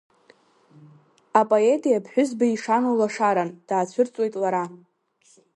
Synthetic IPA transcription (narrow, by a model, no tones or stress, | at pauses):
apʼoe̞tʼijapʰħʷᶣʊzbaiʂanolaʂaɾand̥aːt͡ɕʷʰʊrt͡sʼwe̞jtʼlaɾa